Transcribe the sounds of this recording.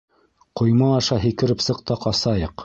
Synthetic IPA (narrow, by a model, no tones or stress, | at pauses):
qŏjmɑːʃɑɦikɘ̆ɾɘpsɤ̆qt̪ɑqɑsɑjɤq